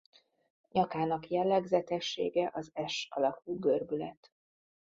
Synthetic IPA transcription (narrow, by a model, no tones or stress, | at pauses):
ɲɒkaːnɒkjɛlːɛɡzɛt̪ɛʃːḛːɡɛʔɒzɛʃɒlɒkuːɡørbylɛt̪